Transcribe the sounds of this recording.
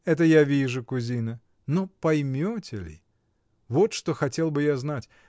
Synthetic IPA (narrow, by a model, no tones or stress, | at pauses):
ɛt̪əjavʲiʐʊkʊzʲinə | nopɐjmʲotʲɪ̰lʲɪ̰ | vo̞t̪ʂt̪oxɐtʲe̞lˠbɨjaznatʲ